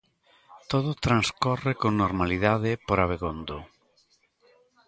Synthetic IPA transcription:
t̪oð̞ot̪ɾanskɔrekoŋnoɾmaliðaðɪpoɾaβeɣond̪o

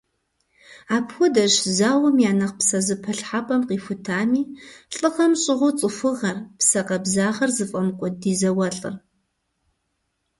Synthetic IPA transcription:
aːpʰxʷʊdɐʒzaːwɐmjaːnɐqpsɐzɨpʰɐɬħapʼɐmqiːfʊtʰaːmiːɬʼɨʁɐmɕʼɪʁʷʊt͡sʼɨfɨʁɐrpsɐqɐbzaːʁɐrzɨfʼɐmkʷʼʊdiːzɐwɐɬʼɨ̰r

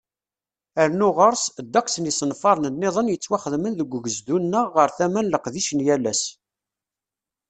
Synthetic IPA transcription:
əɾnʊʁəɾˤsd̪ːæksənisənfɑɾˤnənːeðˤənjət͡sːwaχəðmənðəɡʷːəʝəzd̪unːəːəɾθæmænləqðiʃənjælæs

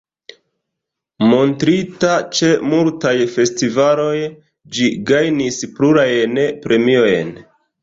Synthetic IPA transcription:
mo̞ntɾitat͡ʃe̞multajfe̞stivalo̞j | d͡ʒiɡajnispluɾajnpɾe̞mio̞jn

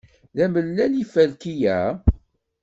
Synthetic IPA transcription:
ðæməlːælifælkijæ

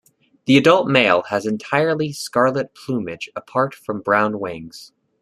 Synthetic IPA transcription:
ðiɨdʌlˠt̚meɪlˠəzɨ̃ntʰaɪə˞lˠiskɑɹlˠət̚pʰl̥ũmɪd͡ʒəpʰɑɹtfɹʌ̃mbɹãʊ̃nwɪ̃ŋz̥

